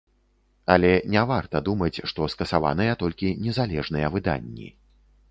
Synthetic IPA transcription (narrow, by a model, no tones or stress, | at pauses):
ɐlʲɛnʲavart̪ɐd̪umɐt͡sʲʂt̪ɔskɐsava̰n̪ɨjɐt̪ɔlʲkʲinʲɛzalʲɛʐnɨjɐvɨd̪a̰nʲːḭ